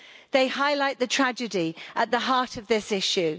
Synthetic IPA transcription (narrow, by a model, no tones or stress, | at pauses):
ðeɪhaɪlaɪʔðətʰɹ̥ad͡ʒədiəʔðəɦɑˑtʰəvðɪsɪʃʉ